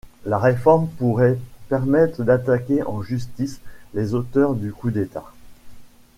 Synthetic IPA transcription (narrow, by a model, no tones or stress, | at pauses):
laʁefɔʁmpuʁɛpɛʁmɛt̪χəd̪at̪akʲeʔɑ̃ʒyst̪islezot̪œʁd̪ykud̪et̪a